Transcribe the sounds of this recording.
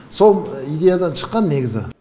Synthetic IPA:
so̞lˠijd̪ʲe̞jad̪ɑnʃə̥qːɑnːe̞ɡʲɪzɪ̰

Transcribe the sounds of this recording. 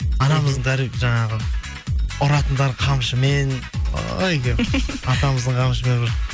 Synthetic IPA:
ɑnɑməzd̪əɴd̪æɾiʒɑɴɑʁə | ʊɾɑt̪ənd̪ɑɾqʰɑmʃəme̞no̰jkʲeɑt̪ɑməzd̪əɴqʰɑmʃəme̞nbɪɾ

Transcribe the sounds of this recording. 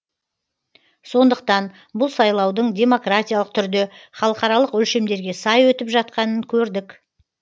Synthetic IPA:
so̞nd̪əq̚t̪ɑn | bʊlˠsɑjlˠɑwd̪əɴd̪ʲe̞mo̞kratʲijalˠəqt̪ʰʏɾd̪eχɑlˠəqɑɾɑlˠəqʏlʃe̞md̪e̞ɾɡʲesɑjwɵt̪ɪpʒɑt̪̚qɑnəŋkʲʰɵɾd̪ɪk

